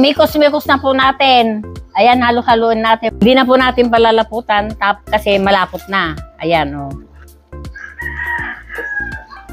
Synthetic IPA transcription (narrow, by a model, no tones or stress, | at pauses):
mikosmiːkosnɐpʊnaːt̪ɪnʔɐjanhaːlʊhaloʔɪnːaːt̪ɪd̪inɐpʊnaːt̪ɪnpɐlalɐpuːt̪ant̪aːpskɐsɛmɐlaːpʊt̪̚nɐʔɐjanʔo